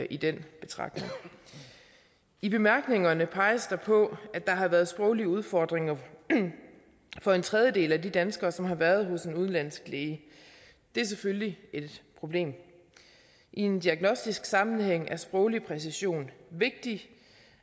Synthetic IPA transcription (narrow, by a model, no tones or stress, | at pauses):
ʔid̥en̰b̥e̝t͡sʰʁɑ̈ɡ̥̚ne̝ŋ | ib̥e̝mæɐɡ̥ne̝ŋɐnəpʰɑ̈ɪɐsd̥ɑ̈pʰɔ̽æ̥ɑ̈ɦɑ̈ʋæːɐð̞̩ˠsb̥ʁɔʊliəuð̞ˠfɒ̰d̥ʁeŋɐ | fɒ̽e̝nt͡sʰʁɛð̞ˠjəde̝̰ːlædid̥ænsɡ̥ɐːsɒ̽mɦɑ̈ʋæɐð̞ˠɦɔ̽se̝nuðˠnlæn̰sɡ̥leːɪə | d̥e̝æɐs̬eføljie̝d̥pʰʁo̝b̥le̝̰ːm | ʔie̝nd̥iæɡ̥nɔ̽sd̥isɡ̥sɑ̈mn̩ɦeŋ̰æɐsb̥ʁɔ̽ʊlipʰʁɛs̬iɕo̝̰ːnʋe̝ɡ̥̚d̥i